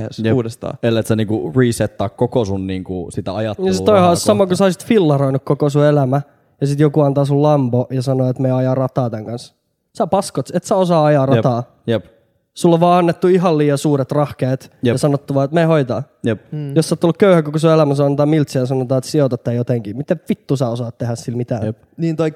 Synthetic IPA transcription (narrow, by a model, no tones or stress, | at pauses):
suːdest̪ɑ̰ːelːet̪sæniːŋkuriːset̪ːɑikkokosunniːŋkusit̪æɑjɑt̪ɑsit̪oihɑssɑmɑkusɑisi̥t̪filːɑroinukkokosuelæmæ | jɑsit̪jokuɑnt̪ɑːsullɑmpojɑsɑnoet̪meːɑjɑːrɑt̪ɑːt̪æŋkɑns | sæpɑskot̪et̪sæosɑːɑjɑːrɑt̪ɑː | jp | sulːoʋʋɑːɑnːet̪ːuiɦɑlliːjɑsuːret̪rɑhkeːt̪jɑsɑnot̪ːuʋɑːet̪mehoit̪ɑ̰ː | jpjosɑːt̪ːolːukkøyhækokosuelæmæsuɑnt̪ɑːmilt̪sejɑsɑnot̪ɑːet̪siot̪ɑt̪ːæjot̪eŋkiːmit̪efit̪ːusæosɑːt̪t̪ehæssilmit̪æː | niːnt̪oik